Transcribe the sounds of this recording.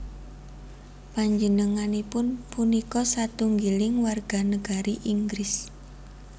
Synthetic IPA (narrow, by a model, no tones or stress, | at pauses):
paɲd͡ʒənəŋanipʊnpunikɔsat̪uŋɡilɪŋwarɡ̥a̤nəɡ̥a̤ɾiʔiŋɡɾɪs